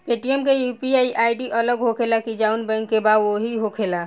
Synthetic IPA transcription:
peʈiemkejupiaiʔaːiɖiʔələɡɦokʰelakid͡ʒaʊnbɛ̃ŋkːebad̪oɦiɦokʰela

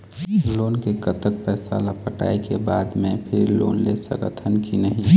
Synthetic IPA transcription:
loːnkekət̪ək̚pɛːsa̰lapəʈa̰ːikebaːd̪mẽpʰɪɾlo̰ːnlesə̰̃ɡə̰t̪ʰənkinəɦĩ

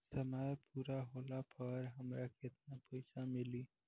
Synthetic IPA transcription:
səmajpuɾaɦolapəɾɦəmɾaket̪napəɪsamili

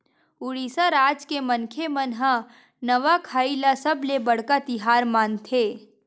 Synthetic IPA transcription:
ʊɽiːsaɾaːd͡ʒkemənkʰemənɦa | nɐʋakʰaːilasɐblebɐɽ̤kat̪ɪɦaːɾmaːnt̪ʰeː

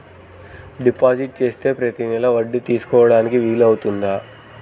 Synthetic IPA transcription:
ɖipaːd͡ʒiʈ̚t͡ʃe̞ːst̪e̞ːpɾɐt̪inilɐʋɐɖːit̪iːsu̥kɔːʋɐɽaːnikiʋiːlɐwut̪und̪a

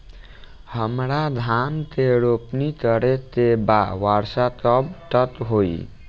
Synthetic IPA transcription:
həmɾad̪ʱant̪eɾopnit̪əɾet̪ebawaɾsat̪əbʈət̪ɦoj

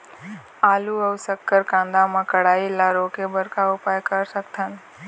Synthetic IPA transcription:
aːluəʊsəkːəɾkãːnd̪amãkəɽaːilaːɾõkebəɾkaʊpaːjkəɾsəkt̪ʰən

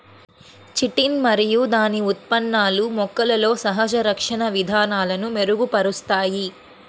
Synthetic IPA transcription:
t͡ʃiʈinmɐɾijud̪aːniut̪̚pɐnːaːlumɔkːɐlɐlo̞ːsɐɦɐd͡ʒɐɾɐkʂɐɳɐʋid̪ʱaːnaːlɐnume̞ɾuɡupɐɾust̪aːji

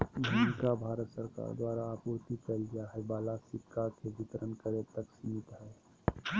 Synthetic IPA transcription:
bʱamɪkabʱaːɾət̪səɾka̰ːɾd̪waːɾaːpuɾt̪ikəlɡijaɦɛbaːlasɪkːakebɪt̪əɾənkəɾet̪əksimɪt̪ɦɛː

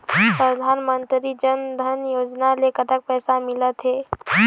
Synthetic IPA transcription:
pɾəd̪ʱaːnmənt̪ɾid͡ʒənd̪ʱənjoːd͡ʒnalekət̪ək̚pɛːsamɪlət̪ɦeː

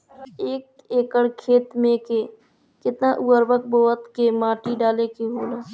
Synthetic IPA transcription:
eːk̚ | eːkəɽkʰeːt̪mẽke | kɪt̪naʔuːəɾbək̚boːət̪kemãːʈiɖaːlekiɦoːlaː

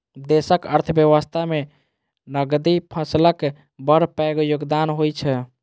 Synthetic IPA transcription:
d̪esəkə̰ɾt̪ʰəbjəʋəst̪ʰame | nəɡd̪ipʰəslək | bəɾpɛɡjoɡd̪anɦojt͡ʃʰɛ

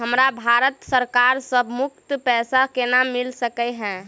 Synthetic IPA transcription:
ɦəmɾabʱaɾət̪səɾkaɾsəbʱmuk̚t̪pɛsakenamilsəkɛɦɛ̃

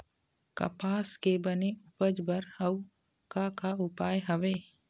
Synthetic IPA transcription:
kɐ̰paːskebəneʊpəd͡ʒbəɾəw | kakaʊpaːjɦəʋeː

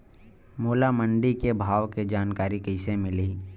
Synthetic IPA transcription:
moːlamə̃ɳɖikebʱaːʋked͡ʒaːnkaːɾikəɪsemɪli

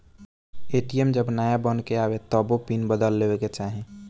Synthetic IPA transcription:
eːʈijemd͡ʒəbnaːjabənkeaːwet̪ɔbopinbəd̪əlːeweket͡ʃaːɦẽ

